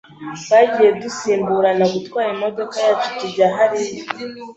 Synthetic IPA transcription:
βaɟije̞dusiːmbuɾanaɡutwaːɾimo̞do̞kajatu̥tiɟaɦaɾij

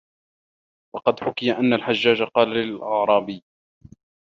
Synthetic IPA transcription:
wɑqɑd̪ħʊkɪjaʔanːalħaʒːaːd͡ʒaqɑːlalɪlʔɑʕɾˤɑːbɪjː

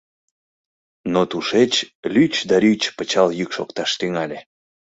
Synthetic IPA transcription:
not̪uʃet͡ɕlʲyt͡ɕd̪ɑɾyt͡ɕpət͡ɕɑljykʃokt̪ɑʃt̪yŋɑlʲe

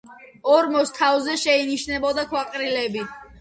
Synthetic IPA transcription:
ɔɾmɔst̪ʰavzɛʃɛiniʃnɛbɔd̪akʰwaqʼɾilɛbi

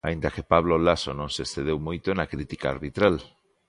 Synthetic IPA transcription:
aĩnd̪akepaβlolasonõŋsesθeð̞ewmojt̪oenakɾit̪ikaa̰ɾβit̪ɾal

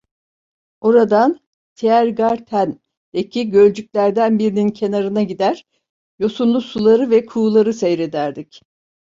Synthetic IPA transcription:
o̞ɾad̪an | t̪ʰeæɾɡaɾt̪ʰæn | ecʰiɟø̞lʲd͡ʒyc̚ʲlʲæɾd̪ænbiɾinincʰe̞naɾɯnaɟid̪æɾ̥ | jo̞sunlˠusulˠaɾɯvɛkʰuːlˠaɾɯsejɾe̞d̪æɾd̪ic

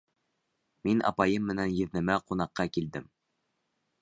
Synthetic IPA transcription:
minɑ̰pɑjɤmːɘ̆nænjɘ̆ðnɘ̆mæqunɑqːɑkild̪ɘm

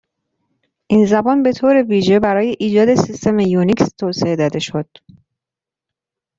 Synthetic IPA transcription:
ʔinzæbɒːnbe̞t̪ʰoːɾe̞viːʒe̞bæɾɒːje̞ʔiːd͡ʒɒːd̪e̞sist̪e̞mejunikst̪ʰoːsee̞d̪ɒːd̪e̞ʃo̞d̪̥

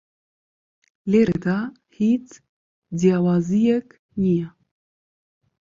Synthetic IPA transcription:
leɾed̪a | hit͡s | d̪ijawaːzijɛk | nijɛ

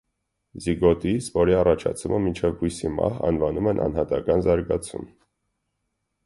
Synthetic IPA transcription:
ziɡɔt̪isvɔɾiɑrɑt͡ʃʰɑ̰t͡sʰuməmint͡ʃʰɛvhujsimɑ̰ɦɑ̰nvɑnumɛnʔɑ̰nhɑt̪ɑkɑnzɑɾɡɑt͡sʰṵm

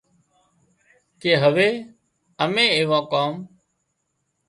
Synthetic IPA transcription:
keːɦəʋeː | əmẽːeːʋãːkaːm

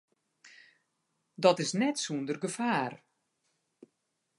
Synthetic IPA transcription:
dɔtɪsnɛtsundərɡəfaːr

